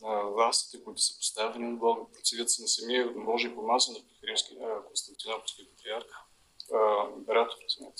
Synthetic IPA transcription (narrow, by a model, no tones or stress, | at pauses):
vlˠast̪i̥t̪ɛkʊit̪ʊ̥sɐ̥po̥st̪avɛninɐblˠɔɡəpɾot̪sɛd̪ʲət̪sənɐsɐmiəmɔʒiipomasonɐpixɐɾifskʲikonst̪ɐnt̪ʲionapo̥st̪kipɐt̪ɾiaɾx | pɛɾat̪oɾnɛt̪